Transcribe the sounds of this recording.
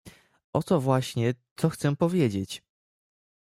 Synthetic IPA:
ʔɔt̪sɔvwaɕɲɛt̪sɔxt̪sɛpɔvʲjed͡ʑet͡ɕ

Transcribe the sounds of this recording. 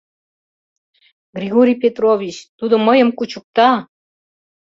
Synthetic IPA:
ɡrʲiɣoɾʲijpʲet̪rovʲit͡ɕt̪ud̪ə̆məjəmkut͡ɕuk̚t̪ɑ

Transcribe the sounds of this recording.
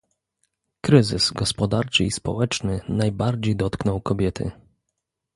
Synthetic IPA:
kɾɘzɘsɡɔspɔd̪aɾt͡ʂɘispɔ̰wɛt͡ʂnɘnajbaɾd͡ʑejd̪ɔt̪knɔwkɔbʲjɛt̪ʰɘ̰

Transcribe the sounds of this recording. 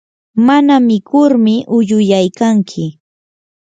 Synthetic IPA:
manamɪkʊɾmɪʔʊʎʊjajkaŋkʰɪ

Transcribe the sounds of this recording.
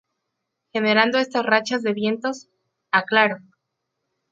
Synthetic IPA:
xe̞ne̞ɾand̪o̞e̞st̪asrat͡ʃazðe̞βje̞nt̪o̞s | aklaɾo

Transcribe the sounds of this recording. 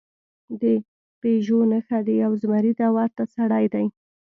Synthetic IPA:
d̪ə | peʒonəxad̪əjawzmaɾid̪awɑɾt̪asaɽajd̪aj

